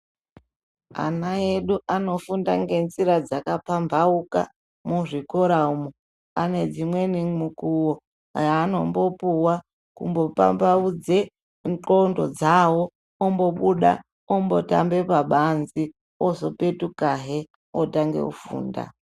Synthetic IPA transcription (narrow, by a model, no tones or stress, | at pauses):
a̰nae̞ɗuʔano̞funda̰ŋɡe̞nziɾad͡zakapambauka̰ | muʐikoɾaumo | ane̞d͡zimwe̞nimukuwo | jaːno̞mbo̞puwa | kṵmbo̞pa̰mbaud͡ze | ŋǃondod͡zawo̞ | ombo̞ɓuɗa̰ | ombo̞ta̰mbe̞paɓanzi | ozo̞pe̞tukaɦe | otaŋɡḛkufṵːnda̰